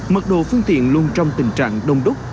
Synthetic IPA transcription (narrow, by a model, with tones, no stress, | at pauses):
mə˨˩t̚ɗo̰˧˨fɨ˧əŋt̪ḭ˧˨ənlu˧ənt͡ɕɔ˧wŋ͡mt̪ï˨˩ŋ̟t͡ɕa̰ː˧˨ŋɗə˧wŋ͡mɗʊ˦˥k͡p̚